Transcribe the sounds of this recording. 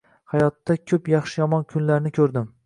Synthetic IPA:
hajɒt̪ːakʲʰɵpjɑχʃɪjɒmɒnkʲʰʊnlaɾnɪkʲʰɵɾd̪ɪm

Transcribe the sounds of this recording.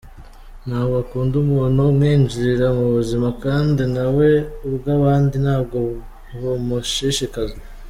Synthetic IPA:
nhaːβakuːndumuːnhumŋiːɲd͡ʒiɾiɾamuβuzimakaːndinawe̞uβɡaβaːndinhaːb̚ɡo̞ | homuʃiʃikaze

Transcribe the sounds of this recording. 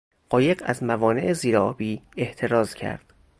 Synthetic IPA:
ɢ̥ɒːje̞ɢæ̰zmævɒːne̞ʔeziːɾeɒːbiːeht̪ʰe̞ɾɒːzcʰæ̰ɾd̪̥

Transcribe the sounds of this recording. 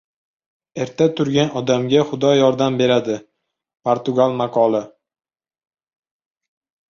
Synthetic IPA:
e̞ɾt̪ʰat̪ʰʊɾɡʲanɒd̪amɡʲaχʊd̪ɒjɒɾd̪ambe̞ɾad̪ɪ | pʰoɾt̪ʊɡalˠmaqʰɒlˠɪ

